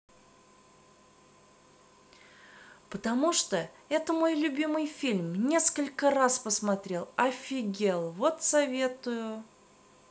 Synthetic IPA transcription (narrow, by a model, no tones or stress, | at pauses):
pət̪ɐmuʂt̪o | ɛt̪əmo̞jlʲʊbʲimɨjfʲilʲmnʲe̞skəlʲkəraspəsmɐt̪ɾʲe̞lˠɐfʲɪɡʲelˠvo̞t̪sɐvʲe̞t̪ʊjʊ